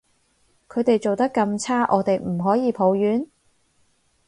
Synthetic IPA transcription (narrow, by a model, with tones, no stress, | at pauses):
kʰɵ˨˧ɥt̪e˨jt͡so˨wt̪ɐ˥kːɐ˧mt͡sʰaː˥ʔɔː˨˧t̪e˨jm̩˨˩ɦɔː˨˥jiː˨˧pʰo˨˧wjyː˨˥n